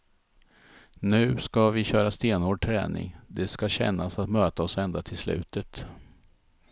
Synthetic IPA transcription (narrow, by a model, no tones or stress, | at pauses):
nʉ̟ːskavɪɕœːɾast̪eːnoːɖ̚ʈʰɾɛ̰ːnɪ̰ŋd̪ɛskaɕɛ̰nːasat̪møːt̪aɔsɛnd̪at̪ʰɪlslʉ̟ːt̪ət̪